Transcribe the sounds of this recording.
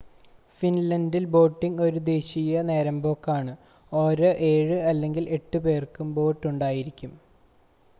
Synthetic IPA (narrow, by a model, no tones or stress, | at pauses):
finlɐndilbo̞ːʈːiŋɡo̞ɾud̪e̞ːɕijɐne̞ːɾɐmbo̞ːkːaːɳɨ | o̞ːɾoʔe̞ːɻɨɐlːe̞ŋɡile̞ʈːɨpe̞ːrkumbo̞ːʈːuɳɖaːjiɾikʲːum